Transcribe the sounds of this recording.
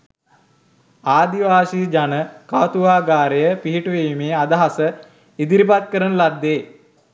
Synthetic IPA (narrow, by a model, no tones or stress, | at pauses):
aːd̪iʋaːsid͡ʒanəkat̪uʋaːɡaːɾejəpiɦiʈuʋeimeːad̪aɦasə | id̪iɾipat̪̚kəɾənəlad̪ːeː